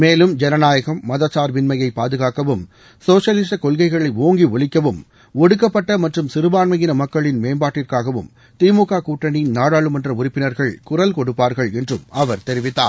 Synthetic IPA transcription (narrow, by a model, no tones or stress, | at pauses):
meːlɯmd͡ʒɛnɐnaːjɐɣɐmːɐðɐt͡ʃːaːɾʋɪnmɐjɐɪpːaːðɯɣaːkɐʋɯm | soːʂɐlɪs̬ʈɐkɔɭɣɐɪɣɐɭɐɪoːŋɡiɔɭɪkːɐʋɯm | ɔɽɯkːɐpːɐʈːɐmɐʈrɯmsɪɾɯbaːnmɐjɪnɐmɐkːɐɭɪnmeːmbaːʈːɪrkaːɣɐʋɯ̰m | t̪iːmuːkaːkuːʈːɐninaːɽaːɭɯmɐndrɐʊrɪpːɪnɐɾɣɐɭkʊrɐlkɔɽɯpːaːɾɣɐɭɛndrɯmɐʋɐɾt̪ɛɾɪʋɪt̪ːa̰ː